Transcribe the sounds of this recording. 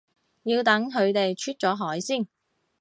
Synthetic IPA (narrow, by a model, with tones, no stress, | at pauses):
jiː˧wt̪ɐ˨˥ŋɦɵ˨˧ɥt̪e˨jt͡ʃʰyː˥t̚t͡sɔː˨˥ɦɔː˨˥jsiː˥˩n